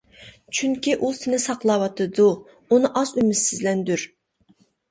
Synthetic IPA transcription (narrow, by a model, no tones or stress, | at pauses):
t͡ʃʰyŋkʲiʔusɪnɪsɑqlˠɑwɑt̪ʰɨd̪u | unɨʔɑzymɪsɪzlɛnd̪yɾ